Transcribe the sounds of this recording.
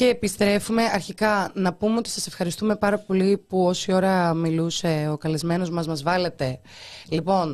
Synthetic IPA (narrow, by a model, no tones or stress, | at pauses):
ce̞ːpist̪ɾe̞fume̞ɐɾçikɐnɐpume̞o̞t̪isɐsefxɐɾist̪ume̞pɐɾɐpo̞lipuo̞sio̞ɾɐmiluse̞o̞kɐlizme̞no̞zmɐzmɐzvɐle̞t̪e̞ | lipo̞n